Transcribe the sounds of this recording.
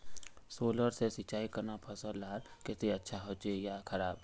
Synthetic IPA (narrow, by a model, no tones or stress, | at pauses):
soːləɾsesɪt͡ʃaːikɐɾnapʰɐsəlaːɾkɪt̪eɐtːʃʰaɦoːt͡ʃejakʰɐɾaːb